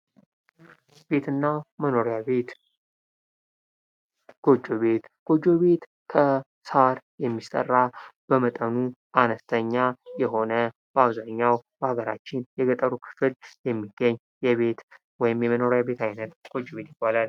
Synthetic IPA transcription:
b̥e̞t̪ʰɨnːaməno̞ɾjaβet̪ | ɡ̥o̞d͡ʒo̞βe̞t̪ɡ̥o̞d͡ʒːo̞βe̞t̪ | kʰə | saɾjɛmːist̪ʼə̰rːab̥əmət̪ʼənuʔanəst̪ʰəɲːajɛɦo̞nə | b̥əaβzaɲːawb̥əhaɡəɾa̰t͡ʃːɪnjɛɡət̪ʼəɾukʰɨ̥fɨljɛmːiɡ̥əɲː | jɛβe̞t̪ | wɔjɪmjɛməno̞ɾjabe̞t̪ʰajnət̪ɡ̥o̞d͡ʒːo̞βe̞t̪jɪbːalal

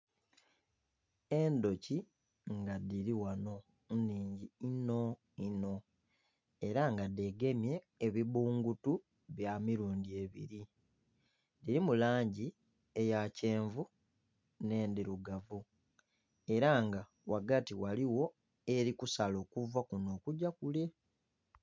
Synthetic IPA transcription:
e̞ndo̞ci | ŋɡadiɾiwano̞ | nːiːɲɟiino̞ | ino̞ | e̞ɾaŋɡade̞ɡe̞mje̞ː | βiβuːŋɡutu | βjamiɾuːndie̞βḭɾi | diɾimulaːɲɟi | e̞jace̞ːɱvu | ne̞ːndiɾuɡavu | e̞ɾaŋɡa | waɡatiwaliwo̞ | e̞ɾikusalo̞ːkuvakuno̞ːkuɟakule̞

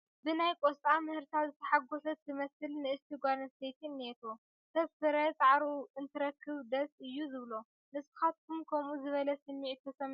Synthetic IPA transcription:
bɨnajkʼost̪ʼamɨhɨɾt̪ʰazɨt̪ʰɐ̥ħaɡosɐt̪ːɨmɐsɨlnɨɨst̪ʰiɡanst̪ʰet̪ʰinːet̪ʰo | t̪ʰɐβsɨɾɐt͡sʼʕaɾuɨnt̪ʰɨɾɐkʰːɨβd̪ɐsʼɨjːuzɨβlo̞ | nɨsɨ̥xat̪̚kʰumkʰɐmuzɨβɐlɐsɨnːiʕit̪ʰːɐsɐm

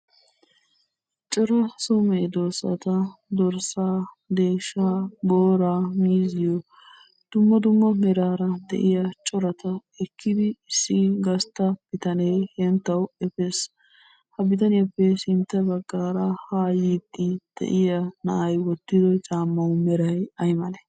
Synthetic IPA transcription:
t͡ʃʼɔɾɐsɔmed̪oːsɐ̰t̪ɐd̪ɔɾsaː | d̪e̞ːʃaːboːɾaːmiːzɪjɔ | d̪̥ʊmːɐd̪ʊmːɐmɛɾaːɾɐd̪ɛ̰ʔɪjɐt͡ʃʼɔɾɐt̪ɐɛkːɪd̪ɪɪsːɪɡɐst̪ɐb̥ɪt̪ɐneːhɛnt̪ːɐwɛfes | hɐbɪt̪ɐnɪjɐpːɛsɪnt̪ːɛbɐɡːaːɾɐhaːjid̪ːɪd̪̥ɛ̰ʔɪjɐnɐ̰ʔɐjwɔt̪ːɪd̪ɔt͡ʃʼaːmːɐwʊmɛɾɐjɐjmɐlɛ

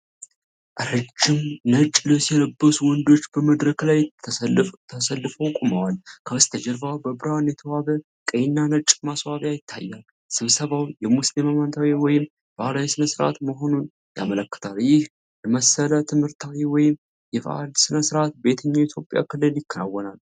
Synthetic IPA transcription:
ʔɨɾɨd͡ʒːɪmnət͡ʃʼːləsjɛləbːəsuwɔnd̪o̞t͡ʃːbəməd̪ɾəklajt̪ʰəst̪ʰəsəlːɨfəwkʼuməwalkʰəst̪ʰəd͡ʒɛɾbawbəbɨɾwanjɛt̪ʰəwaβə | kʼəjnːanət͡ʃʼmaswaβjajɪt̪ʰːa̰jːal | sɨβsəβawjɛmuslimamant̪ʰawiwɔjɪm | falawisɨnəsɨɾa̰t̪məɦo̞nun | ja̰mələkːɨ̥t̪ʰaljɪh | jɛməsələt̪ʰɨmhɨɾt̪ʰawiwɔjɪm | jɛfa̰d̪sɨnəsɨɾat̪̚be̞t̪ʰɨɲːait̪ʰjo̞pʼja̰kʰɨlːɨljɪkːəna̰wːɔnal

